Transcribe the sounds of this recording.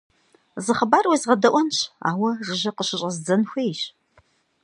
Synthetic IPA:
zɨχɐbaːrwezʁɐdɐʔʷɔnɕa̰ːwɐrɨʑɐqəɕɪɕʼɐzd͡zɐnxʷɐjɕ

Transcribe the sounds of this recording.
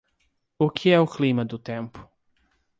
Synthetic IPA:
ukʰɪɛʊklimɐd̪ʊt̪ẽmpʊ̥

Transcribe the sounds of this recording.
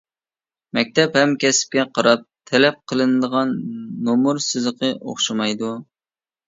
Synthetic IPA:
mɛk̚ʲt̪ʰɛphɛmkʲʰɛsɪ̥p̚kʲɛqʰɑɾɑp̚t̪ʰɛlɛp̚qʰəlˠɨnɨd̪əʁɑnːomuɾsɨzɨqʰəʔo̰χʃɑmɑjd̪u

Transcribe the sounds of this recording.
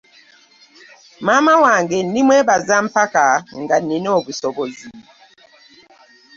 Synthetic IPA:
mamawaŋɡɛn̩dimwɛbazam̩pakaŋɡaninobusɔbozi

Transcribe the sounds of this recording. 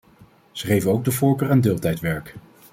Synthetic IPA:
z̥əχejvənowɡ̚dəvʊːɹkøːrɛndɪːlˠtɛjtʋɛɹk

